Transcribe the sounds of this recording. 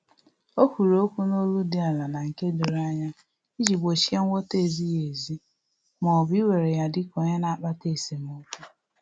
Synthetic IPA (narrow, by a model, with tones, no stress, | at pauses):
o˦kʷu˨ɾo˦kʷu˦no˦lu˦di˦a˨la˨na˨ŋ̩˨ke˦du˨ɾa˦ɲa˦ | i˦d͡ʒi˨ɡ͡bo˨ʃi˦a˦ŋ̩ʷ˦o˦te˦˨zi˦je˨zi˦ | mɔ˨bi˦we˨ɾe˨ja˦dɪ˦ko˨ɲe˦na˨a˨k͡pa˦te˦˨se˨mo˦ku˦